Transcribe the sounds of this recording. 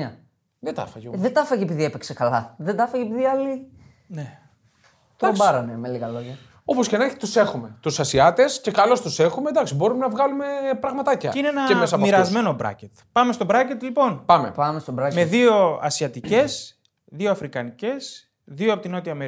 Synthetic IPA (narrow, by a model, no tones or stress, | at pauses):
ɐ | ðet̪ɐ̰fɐʝðed̪ɐfɐʝiepiðiepeksekɐlɐðed̪ɐfɐʝepiðiɐli | ne | t̪okbɐɾɐnemeliɣɐloʝɐ | oposcenɐçi̥t̪usexume̞t̪usɐsiɐt̪e̞sce̞kɐlo̞st̪use̞xume̞d̪ɐksibo̞ɾumenɐvɣɐlume̞pɾɐɣmɐt̪ɐcɐ̰ineenɐemesɐmiɾɐzme̞nobɾɐ̰cet̪pɐme̞st̪o̞bɾɐcet̪lipo̞npɐmḛpɐmest̪obɾɐme̞ðio̞ɐ̰siɐt̪ice̞s | ðioɐfɾikɐnice̞s | ðioɐpot̪ino̞t̪iɐːme